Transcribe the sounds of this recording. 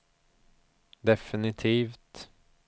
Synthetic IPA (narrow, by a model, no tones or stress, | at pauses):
d̪ɛfɪnɪt̪ʰiːft̪